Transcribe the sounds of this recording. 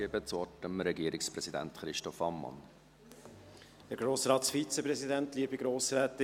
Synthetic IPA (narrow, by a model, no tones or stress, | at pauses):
ebət͡sɔʈəmɾɛɡiəɾʔɪkspɾɛsid̪æ̰nt̪χɾɪʃtɔfɑmːɑ̰n | d̥ɛɾɡ̥ɾoːsɾɑːt̪sfit͡sɛpɾɛzidɛntliːəbiɡɾoːsɾɛːt̪ɪ